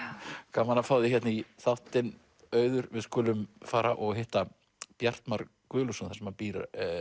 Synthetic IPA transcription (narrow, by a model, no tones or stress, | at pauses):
kʰaːmanːafawðɪçɛt̪naiθawht̪ɪn | œːɥðʏɾvɪðskʊːlʏmfaːɾaʔɔɣɦɪht̪a | pjar̥t̪maɾ | kʏːlusʏnθḁsɛmapiːɾa̰